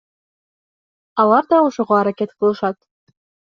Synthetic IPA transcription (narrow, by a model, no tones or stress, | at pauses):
ɑlˠɑrd̪ɑoʃŏʁoɑɾɑket̪kɤ̆lˠɤ̆ʃɑt̪